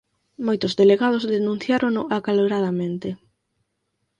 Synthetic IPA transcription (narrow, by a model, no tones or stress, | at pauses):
mojt̪ʊzðeleɣað̞ʊzðenũn̟θjaɾoŋnʊʔakaloɾað̞amẽnt̪ɪ